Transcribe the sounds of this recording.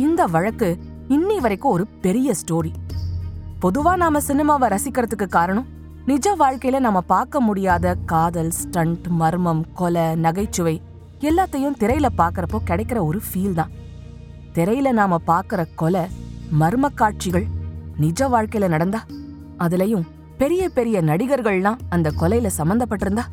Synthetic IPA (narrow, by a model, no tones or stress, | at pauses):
ɪnd̪ɐʋɐɻɐkːɯ | ɪnːiʋɐɾɐɪkːʊ̃ɔɾɯpɛɾɪjɐsʈoːɾi | pɔðɯʋaːnaːmɐsɪnɪmaːʋɐɾɐsɪkːɪɾɐðɯkːɯkːaːɾɐɳʊ̃ | nɪd͡ʒɐʋaːɻkɐɪjɪlɐnaːmːɐpaːɾkɐmʊɽɪjaːðɐkaːðɐlsʈɐɳʈmɐɾɯmɐmkɔlɐnɐɣɐɪt͡ʃːɯʋɐɪ | ɛlːaːt̪ːɐjʊ̃t̪ɪɾɐɪjɪlɐpaːɾkɯɾɐpːoːkɪɽɐɪkːɪɾɐɔɾɯfiːld̪ãː | t̪ɪɾɐjɪlɐnaːmɐpaːɾkɪɾɐkɔlɐmɐɾɯmɐkːaːʈ̚t͡ʃɪɣɐɭnɪd͡ʒɐʋaːɻkɐɪɪlɐnɐɽɐnd̪aː | ɐðɪlɐjʊ̃ | pɛɾɪjɐpɛɾɪjɐnɐɽɪɣɐɾɣɐɭlãːɐnd̪ɐkɔlɐɪɪlɐsɐmbɐnd̪ɐpːɐʈːɯɪɾɯnd̪aː